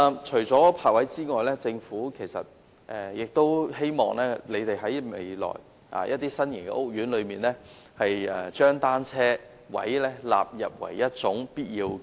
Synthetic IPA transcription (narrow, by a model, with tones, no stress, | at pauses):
t͡ʃʰɵ˨˩ɥt͡sɔː˨˥pʰaː˧k̚wɐ˨˥jt͡siː˥ŋɔː˨jlɛː˥t͡sɪ˧ŋfuː˨˥kʰe˨˩jsɐ̰˨t̚ | ʔɛː˨jɪ˨k̚t̪o˥whe˥jmɔː˨˩ŋlɛː˥le˨˧t̪e˨jɦɐ˨˥jmḛ˨˧jlɔ̰ː˨˩j | ʔa̰ː˨˩jʔɐ̰˦˥t̪̚ːiː˥sɐ˥njɪ˨˩nkɛ̰˧ʔo˥k̚jyː˨˥nlɵ˨˧ɥmiː˨˩nlɛː˥ | hɐ˨jɛ˨˩t͡ʃœː˥ŋt̪aː˥nt͡sʰɛː˥ | wɐ̰˨˥jlɛː˥la̰ː˨p̚jɐ˨p̚wɐ̰˨˩jːɐ˥t̚t͡sʊ˨˥ŋpiː˥t̚jiː˧w